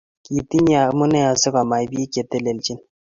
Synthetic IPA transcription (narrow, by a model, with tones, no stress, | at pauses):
ki˨t̪i˦nja˨mu˦na˦ja˨zɪ˦ɡa˨ma˨jbi˦e˦kʲe˨t̪e˦le˨ld͡ʒi˦n